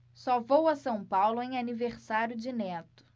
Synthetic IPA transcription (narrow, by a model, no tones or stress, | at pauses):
sɔvowɐsɐ̃w̃pawlʊẽj̃aniveɾsaɾjʊd͡ʒɪnɛt̪ʊ̥